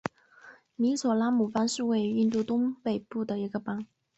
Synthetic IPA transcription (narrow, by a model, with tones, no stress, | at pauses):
mi˧˥swɔ˨˩la˥mu˨˩fa˥nʂɻ̩˥˧we˥˩ɪ˨y˥˧nt̪u˥˩t̪ʊ˥ŋpe˨˩ɪpu˥˩d̪ə˩i˧˥ɡə˧pa˥ŋ